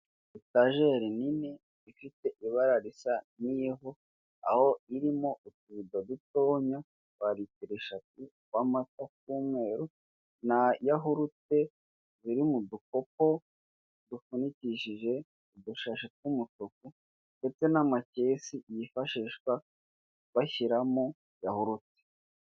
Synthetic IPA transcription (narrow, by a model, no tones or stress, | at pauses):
itaʒe̞ɾinine | ifite̞ʔiβaɾaɾisaniɦo | a̰ho̞iɾimo̞utuβidod̪uto̞ːɲa | βaɾitiɾeʃati | wamatak̚uːmŋe̞ːɾu | najaɦuɾute̞ | ziɾimuduko̞ko̞ | dufuniciʃiʒe̞ | uduʃaʃet̚wumutoku | nde̞t͡se̞namacesijifaʃiʃkwa | βaçiɾamo | jahuɾute̥